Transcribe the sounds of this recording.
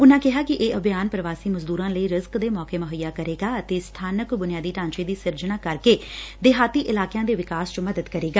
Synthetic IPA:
ʊnãːkɪɦaːkɪʔeːʔəbjaːnpɾəʋaːsiːməzd̪uːɾãːləiːɾɪzkd̪eːmɔːkeːmʊɦəjːaːkəɾeːɡaːət̪eːst̪ʰaːnəkbʊnɪjaːd̪iːʈãːɲt͡ʃeːd̪iːsɪɾd͡ʒnaːkəɾkeːd̪ɪɦaːt̪iːʔɪlaːkɪjãːd̪eːʋɪkaːst͡ʃməd̪əd̪kəɾeːɡaː

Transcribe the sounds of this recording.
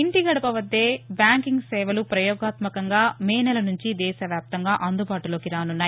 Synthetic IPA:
iɳʈiɡɐɽɐpɐʋɐd̪ːeːbjaːŋkiŋɡsɛːʋɐlupɾɐjɔːɡaːt̪mɐkɐŋɡaːmɛːnɐlɐnuɲt͡ʃid̪ɛːʃɐʋjaːp̚t̪ɐŋɡaːʔɐnd̪ubaːʈulo̞ːkiɾaːnunːaːj

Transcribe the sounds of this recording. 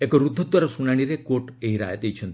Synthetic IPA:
ekɔɾud̪ʱːɔt̪ʋaɾasunaɽ̃iɾekoʈeɦiɾa̰ɦet̪eit͡ʃʰənt̪

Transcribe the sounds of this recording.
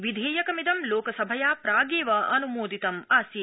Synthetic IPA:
ʋid̪ʱeːjɐkɐmid̪ɐmloːkɐsɐbʱɐjaːpɾaːɡeːʋɐʔɐnumoːd̪ʱit̪ɐmaːsji

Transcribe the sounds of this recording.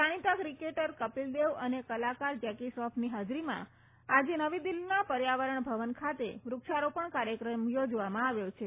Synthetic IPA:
saɽ̃it̪akɾikeʈəɾkəpild̪eʋənekəlakaɾd͡ʒɛkisɔfʰniɦad͡ʒɾimã̰ | ad͡ʒenəʋid̪ilnapəɾjaʋəɾəɳbʱəʋənkʰat̪ḛʋɾʊkʃaɾopəɳkaɾjəkɾəmjod͡ʒʋamãaʋjot͡ʃʰe

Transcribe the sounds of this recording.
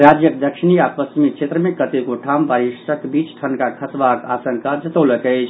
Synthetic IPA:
ɾad͡ʒjəkd̪əkʃʰiniapəst͡ʃimikt͡ʃʰet̪ɾəmekət̪ekoʈʰambaɾisəkbit͡ʃʈʰənkakʰəsbaka̰sə̃ŋkʰad͡ʒɐt̪əwləkɛt͡ʃʰ

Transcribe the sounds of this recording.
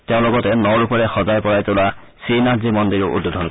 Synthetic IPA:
teʊ̃lɔɡɔtɛnɔɹupɔɹɛxɔzajpɔɹajtʊla | sinazimɔndiɹʊʔṵdːudʱɔn

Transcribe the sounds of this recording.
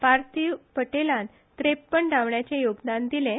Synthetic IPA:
paɾt̪ipəʈelãn | t̪ɾepːəɳɖaʋɳjat͡ɕejoɡd̪and̪ilẽ

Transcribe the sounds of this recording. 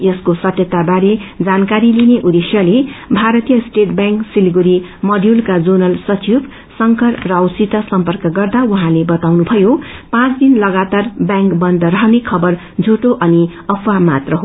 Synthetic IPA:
jʌskosʌt̪jʌt̪abaɾed͡zankaɾilineʔud̪esjʌlebʱaɾʌt̪ijʌsʈeʈbjãŋksilɡuɾimʌɖjulkad͡zunʌlsʌt͡sib | sʌŋkʌrrʌʌwsit̪asʌmpʌrkʌɡʌrd̪awuɦãlebʌt̪awnubʱʌjopãt͡sd̪inlʌɡat̪arbjãŋkbʌnd̪ʌɾʌɦnekʰʌbʌr | d͡zʱuʈoʔʌni | ʌpʰamat̪rʌɦo

